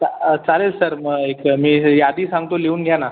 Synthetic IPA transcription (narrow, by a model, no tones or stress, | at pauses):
t͡salelsəɾməekmiːjad̪iːsãŋɡt̪oleuːnɡʱjana